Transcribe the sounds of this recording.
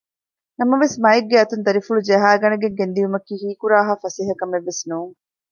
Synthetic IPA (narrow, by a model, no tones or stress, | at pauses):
nɐmɐʋesmɐeɡːeɐt̪und̪ɐɾifuɭud͡ʒeɦaːɡɐnɐɡeŋɡend̪iumɐkːiːhiːkuɾaːɦaːfɐseɦɐkɐmeʋːesnuːŋ